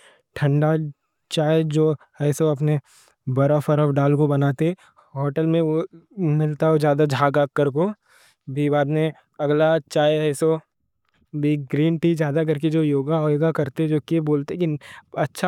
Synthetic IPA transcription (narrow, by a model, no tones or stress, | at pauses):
ʈʰɐ̃ɳɖa | t͡ʃaːjed͡ʒoː | ɛːsoɐpne | bɐɾafəɾɔfɖaːlkobɐnaːt̪eɦɛ | ɦɔːʈəlmẽomɪlt̪aod͡ʒjaːd̪ad͡ʒʱaːɡaːkːəɾko | bʱibaːd̪mẽ | ɐɡlat͡ʃaːjɛːso | bʱiɡɾiːnʈid͡ʒjaːd̪ak̬ɐɾk̬ed͡ʒoːjoːɡaɦɔːɡakɐɾt̪eɛd͡ʒoːkieboːlt̪ekiɐtːʃʰa